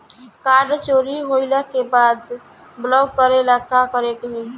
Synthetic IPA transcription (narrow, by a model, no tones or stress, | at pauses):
kaɾɖt͡ʃoɾiɦoɪləkebad̪ | blɔɡkəɾelakakəɾek̪ɦũ